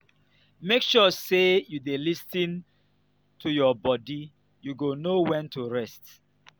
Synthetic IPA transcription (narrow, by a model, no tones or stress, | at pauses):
mekʃɔsejudelistĩn | tʰujɔbɔdi | juɡonowɛ̃ntʰuɹɛst